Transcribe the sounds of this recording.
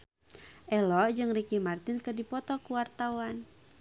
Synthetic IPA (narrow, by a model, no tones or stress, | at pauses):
ʔɛlɔʔd͡ʒɨŋrikimart̪ɪnkərdipɔt̪ɔkuwart̪awan